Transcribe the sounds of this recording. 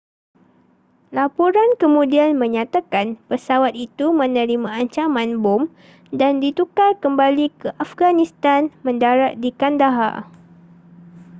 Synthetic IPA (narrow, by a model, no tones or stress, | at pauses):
lapuɾankəmũdianmə̃ɲãt̪akanpəsawat̪̚it̪umə̃nə̃ɾimãːɲt͡ʃamãnbom | dandit̪ukalkəmbalikəʔafɡanĩst̪anmə̃ndaɾaʔ̪̚dikandaɦa̰